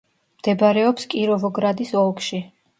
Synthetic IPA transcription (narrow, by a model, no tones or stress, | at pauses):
md̪̥ɛbaɾɛɔpskʼiɾɔvɔɡɾad̪isɔlˠkʰʼʃi